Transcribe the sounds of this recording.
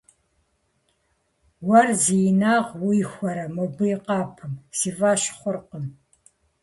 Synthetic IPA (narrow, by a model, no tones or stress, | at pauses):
wɐrzijnaːʁwijxʷɔɾɐmobɨjɪqɑːpʰɨmsiːvaːʃχʷʊrqəm